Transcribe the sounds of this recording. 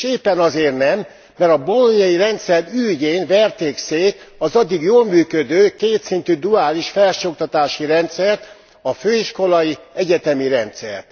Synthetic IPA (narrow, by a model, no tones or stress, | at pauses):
eːpːɛnɒzeːrnɛmː | ɛɾɒboloɲjɒjiɾɛnt̪sɛryːɟeːnvɛrt̪eːkseːt̪ɒzɒd̪ːiɡjoːlmyːkød̪øːkeːt̪sint̪yd̪uaːliʃfɛlʃok̚t̪ɒt̪aːʃiɾɛnt̪sɛrt̪ | ɒføːiʃko̞lɒjiɛɟɛt̪ɛmiɾɛnt̪sɛ̰rt̪